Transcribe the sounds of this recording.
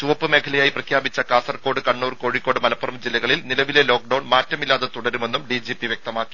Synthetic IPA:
t͡ɕuʋɐpːɨme̞kʰɐlɐjaːjiprɐkʰjaːbit͡ɕːɐkaːsɐrko̞ːɽɨkɐɳːuːrko̞ːɻikːo̞ːɽɨmɐlɐpːɐrɐmd͡ʑilːɐɣɐɭilnilɐʋile̞lo̞ːk̚ɖɐwɳmaːtːɐmilːaːðet̪uɽɐɾume̞nːumɖid͡ʑipːiʋjek̚t̪ɐmaːkkːi̥

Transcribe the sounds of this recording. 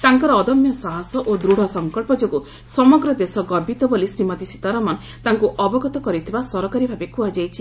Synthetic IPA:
t̪aŋkɔɾɔːd̪ɔmjɔsaɦasɔʔod̪ɾuɽ̤ʱɔsɔŋkɔɭpɔd͡ʒoɡu | sɔmɔɡɾɔd̪esɔɡɔbit̪ɔbolisɾimɔt̪isi̥t̪aɾɔmɔn | t̪aŋkuʔɔbɔɡɔt̪ɔkɔɾit̪ʰibasɔɾɔkaɾibʱabekuad͡ʒajt͡ʃʰi

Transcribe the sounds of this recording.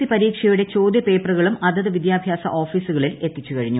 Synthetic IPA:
ipɐɾiːkʂɐjuɽe̞t͡ɕo̞ːd̪jɐpe̞ːprɐɣɐɭumʔɐd̪ɐðɨʋid̪jaːbʱjaːsɐ̰ʔoːfiːsuɣɐɭile̞t̪ːit͡ɕːukɐɻiɲːu

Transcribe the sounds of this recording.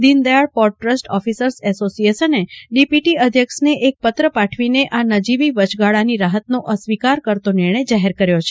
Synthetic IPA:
d̪ind̪əjaɭpɔɾʈɾəsʈɔfisəɾsɛsosijesəneɖipiʈiəd̪ʱjəkʃneʔek̚pət̪ɾəpaʈʰʋineʔanəd͡ʒiʋiʋət͡ʃɡaɭaniɾaɦət̪noʔəsʋikaɾkəɾt̪onɪɾɳ̃əjd͡ʒaɦeɾkəɾjot͡ʃʰe̥

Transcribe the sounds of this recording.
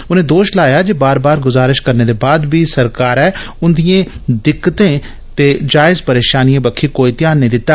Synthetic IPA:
ʊnẽːd̪oːʃlaːjaːd͡ʒeːbaːɾbaːɾɡʊzaːɾɪʃkəɾneːd̪eːbaːd̪biːsəɾkaːɾɛː | ʊnd̪ijẽːd̪ɪkːət̪ẽː | t̪eːd͡ʒaːɪzpəɾeːʃaːnijãːbəkʰːiːkoːiːt̪ɪjaːnːəĩːd̪ɪt̪ːaː

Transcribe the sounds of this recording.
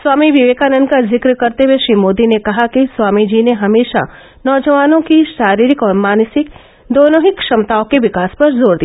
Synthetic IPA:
swaːmiʋɪʋeːkanənkazɪkɾkɐɾt̪eweʃɾiːmoːd̪inekɐɦakiswaːmid͡ʒiːneɦɐmeːʃa̰ | nɔːd͡ʒəʋaːnõkiʃaːɾiːɾɪkɔːɾmaːnsɪk̚ | d̪oːnõɦikʃɐmt̪aːõkeʋɪkaːspɐɾzoːɾd̪iː

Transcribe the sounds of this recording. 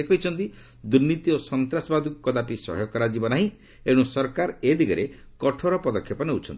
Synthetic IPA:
ekɔit͡ʃʰɔnt̪i | d̪uɾnit̪iosɔnt̪ɾasɔbad̪ʱukukɔd̪apisɔ̰ɦɔjɔkɔɾad͡ʒibɔnaɦĩ | eɽ̃ũsɔɾkaɾed̪ʱiɡɔɾe | kɔʈʰɔɾɔpɔd̪ɔkʰːjɔpɔneut͡ʃʰɔnt̪i̥

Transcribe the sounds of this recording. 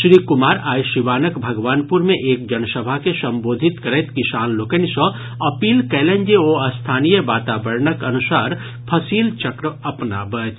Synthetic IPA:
ʃɾiːkʊmaːɾaːjʃiʋaːnəkbʱɐɡʋaːnpuɾmẽʔeːk̚d͡ʒɐnsəbʱakesɐ̃mboːd̪ʱit̪kəɾɛt̪kiʃaːnloːkənsɔ̃ | ɐpiːlkɛːlẽnd͡ʒeoəst̪ʰaːnijəʋaːt̪aːbəɾnəkɐnusaːɾ | pʰəsiːlt͡ʃəkɾəɐpnabət͡ʃ

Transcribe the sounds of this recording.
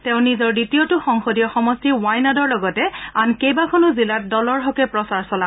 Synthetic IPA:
tɛʊ̃nizɔɹditijotʊxɔŋxodijɔxɔmɔstiwajnadɔɹlɔɡɔtɛankejbakʰɔnʊzilat̚dɔlɔɹɦɔkɛpɹɔsaɹsɔla

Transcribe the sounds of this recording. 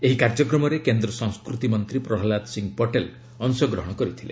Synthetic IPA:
eɦikaɾd͡ʒɔkɾɔmɔɾekend̪ɾɔsɔ̃ŋ̃skɾut̪imɔnt̪ɾipɾɔɦɔlad̪siŋɡpɔʈel | ɔnsɔɡɾɔɦɔɽ̃ɔkɔɾit̪ʰilḛ

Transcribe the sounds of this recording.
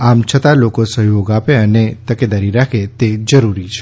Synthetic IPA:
amt͡ʃʰət̪alokosəɦjoɡapeənet̪əked̪aɾiɾakʰet̪ed͡ʒəɾuɾit͡ʃʰe

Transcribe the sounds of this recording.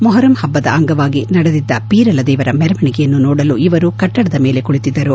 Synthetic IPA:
mɔɦɐɾɐmhɐbːɐd̪ɐ̰ɐŋɡɐʋaːɡinɐɽed̪id̪ːɐpiːɾɐlɐd̪ɛːʋɐɾɐmɛɾɐmɐɳikɛjɐnːunɔːɽɐluiʋɐɾukɐʈːɐɽɐd̪ɐme̞ːlekuɭit̪id̪ːɐɾu

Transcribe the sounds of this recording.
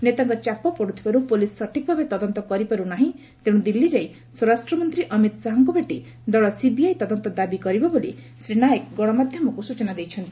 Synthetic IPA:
net̪aŋkɔt͡ʃapɔpɔɽut̪ʰi̥baɾupulisːɔʈʰik̚bʱabet̪ɔd̪ɔnt̪ɔkɔɾipaɾunaɦĩ | t̪ẽd̪ilːid͡ʒaj | sɔɾasʈɾɔmɔnt̪ɾiʔɔmit̪saɦɔŋkubʱeʈi | d̪ɔɭɔsibiajt̪ɔd̪ɔnt̪ɔd̪abikɔɾibɔbolḭ | sɾiɽ̃aekɡɔɽ̃ɔmad̪ʱjɔmɔkusut͡ʃɔnad̪ejt͡ʃʰɔnt̪i

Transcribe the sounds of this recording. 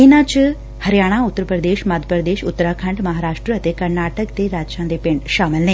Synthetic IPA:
inãːt͡ʃ | hɐɾjaːɽ̃aʊt̪ːəɾpɾəd̪eːʃmad̪ʱəpɾəd̪eːʃʊt̪ːəɾaːkʰɐ̃ɳɖmɐɦaːɾaːʂʈɾəɐt̪ekɐɾnaːʈəkt̪eɾaːd͡ʒt͡ʃãːnd̪epẽɳɖʃaːməlnẽ

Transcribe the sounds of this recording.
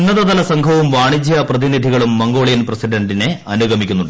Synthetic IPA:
nːɐðɐðɐlɐsɐŋɡʰʱɐʋumʋaːɳid͡ʑijɐprɐðinid̪ʱiɣɐɭumːɐŋɡo̞ːɭijɐnprɐsiɖɐɳɖine̞ɐnuɡʱɐmikʲːunːuɳɖ

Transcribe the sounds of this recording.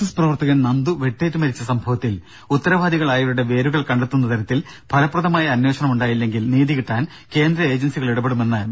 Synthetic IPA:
ɐsprɐʋɐrt̪ɐɣɐnnɐnd̪uʋe̞ʈːeːʈːɨmɐɾit͡ɕːɐsɐmbʱɐʋɐt̪ːil | ut̪ːɐɾɐʋaːd̪iɣɐɭaːjuɽuɽeʋe̞ːɾuɣɐɭkɐɳɖet̪ːunːɐt̪ɐɾɐt̪ːil | b̥ʱɐlɐpːrɐðɐmaːjɐːnwe̞ːɕɐɳɐmuɳɖaːjilːe̞ŋɡilniːðiɣiʈːaːn | ke̞ːnd̪ɾɐe̞ːd͡ʑɐnsiɣɐɭiɽɐbeɽume̞nːɨ

